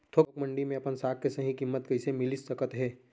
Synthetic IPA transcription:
t̪ʰokɐkmɐ̃ɳɖimẽɐpənsaːk̚kesɐɦĩkɪmːət̪kɐɪsemɪlɪsɐkət̪ɦɛː

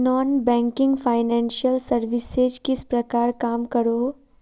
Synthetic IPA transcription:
nɔːnbɛ̃ːŋkɪ̃ŋɡfʰaːɪnɛ̃ːnʃəlsɐɾʋɪsed͡ʒkɪspɾɐkaːɾkaːmkɐɾoː

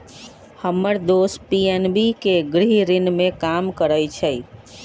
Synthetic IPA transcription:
həmːəɾd̪ospienbikeɡɾiɦɾinmekamkəɾəjt͡ʃʰəj

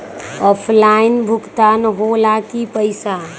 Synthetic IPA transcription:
ɔːpʰlaːɪnbʱʊkt̪aːnɦolakipəɪsa

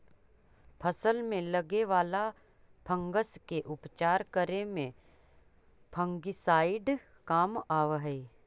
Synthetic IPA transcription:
pʰəsəlmẽlɐɡeʋaːla | pʰə̃ŋɡəskeʔʊpt͡ʃaːɾkəɾemẽ | pʰə̃ŋɡɪsaːɪɖ | kaːmaːʋɦɛi

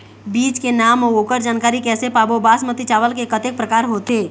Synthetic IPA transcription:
biːt͡ʃkenaːmooːkəɾd͡ʒaːnkaːɾikɛːsepaːbobaːsmət̪it͡ʃaːʋəlkekət̪ek̚pɾəkaːɾɦoːt̪eː

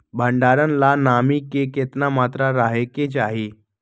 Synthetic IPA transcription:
bʱəɳɖaɾənlanamikeket̪namat̪ɾaɾaɦeket͡ɕaɦi

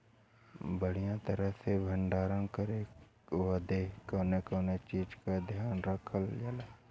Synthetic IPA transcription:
bəɽ̤ijãt̪əɾəɦsebʱəɳɖaːɾãkəɾe | ʋad̪ekoːnekoːnet͡ʃiːd͡ʒkad̪ʱjaːnɾəkʰəld͡ʒala

